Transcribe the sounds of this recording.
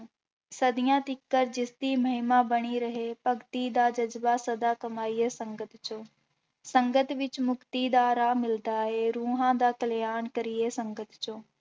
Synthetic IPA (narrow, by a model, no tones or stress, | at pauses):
səd̪ɪjãːt̪ɪkːəɾd͡ʒɪsd̪iməɦɪmãːbəɽ̃iɾəɦepɐkt̪id̪aːd͡ʒɐd͡ʒbasəd̪aːkɐmaːijesə̃ŋɡət̪t͡ʃõː | sə̃ŋɡət̪ʋɪt͡ʃmʊkt̪id̪aːɾaːmɪld̪aːɦeɾuːɦãd̪aːkɐljaːnkəɾɪesə̃ŋɡət̪t͡ʃõː